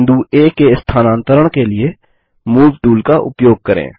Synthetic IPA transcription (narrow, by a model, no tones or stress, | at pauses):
nd̪ueːkːeɪst̪ʰaːnãːnt̪əɾəɽ̃kelie | muːʋʈuːlkaʔʊ̰pjoːɡ̚kɐɾḛ̃ː